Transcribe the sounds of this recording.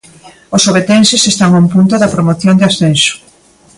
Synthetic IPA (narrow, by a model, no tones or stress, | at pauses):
osoβet̪ensesest̪aŋõmpunt̪ʊðɐpɾomoθjond̪ɪasθenso̥